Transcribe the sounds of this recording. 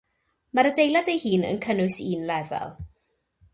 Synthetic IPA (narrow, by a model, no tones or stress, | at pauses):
maɾədejlˠadejhiːnə̰nkʰənʊɨsiːnlɛvɛ̰lˠ